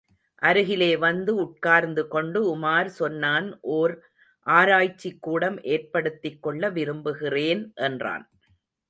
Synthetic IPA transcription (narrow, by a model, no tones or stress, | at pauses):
ʔɐɾɯɣɪleːʋɐnd̪ɯʊʈ̚kaːɾnd̪ɯkɔɳɖɯʊmaːɾsɔnːaːnʔoːɾ | ʔaːɾaːjt͡ʃːɪkːuːɽɐmʔeːrpɐɽɯt̪ːɪkːɔɭːɐʋɪɾɯmbɯɣɪreːnʔɛndra̰ːn